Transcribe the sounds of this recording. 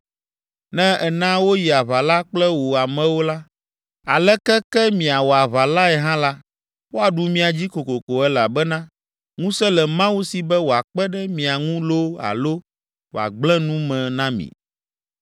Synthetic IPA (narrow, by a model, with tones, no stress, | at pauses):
nɛ̃˦ɛ˨nã˦wo˦ji˨a˨βa˨la˦k͡plɛ˦wo˨a˨mɛ̃˨wo˦la˦ | a˨lɛ˦kɛ˦kɛ˦mĩ˨a˨wo˨a˨βa˨la˦ɛ˨ɦã˦la˦ | wo˦a˨ɖu˨mĩ˨a˨d͡ʑi˦ko˨ko˨ko˨ɛ˦la˨bɛ˦nã˦ | ŋũ˦sɛ˦lɛ˨mã˦wu˦si˨bɛ˦wo˨a˨k͡pɛ˦ɖɛ˦mĩ˨a˨ŋũ˦lo˦a̰˨lo˦ | wo̰˨a̰˨ɡ͡blɛ̃˦nũ˦mɛ̃˨nã˦mḭ̃˨